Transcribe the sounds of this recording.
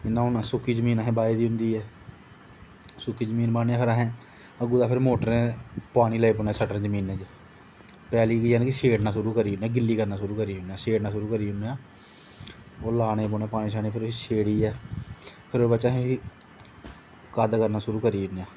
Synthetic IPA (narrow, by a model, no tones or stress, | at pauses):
ɪnːãːʊnːsʊkːiːd͡ʒəmiːnaːɦɛ̃ːbaːeːd̪iːɦʊ̃nd̪iːɛː | sʊkːiːd͡ʒəmiːnbaːneaːpʰɪɾaːɦɛ̃ː | əɡuːd̪aːpʰɪɾmoːʈəɾẽːpaːɽiːləːiːp̬oːneːsəʈəɾd͡ʒəmiːnɛ̃ːd͡ʒ | pɛːliːkiːaːnːkɪseːʈnãːsʊɾuːkəɾiːɦneaːɡɪlːiːkəɾnaːs̬ʊɾuːkəɾiːɦʊnaːseːʈnaːs̬ʊɾuːkəɾiːɦʊneaː | oːlaːneːp̬oːneɛːpaːñiːsaːnẽːpʰɪɾʊiːseːɽiːɛː | pʰɪɾoːbəːʃãːɦẽɦiː | kaːd̪kəɾnaːsʊɾuːkəɾiːʊnːaː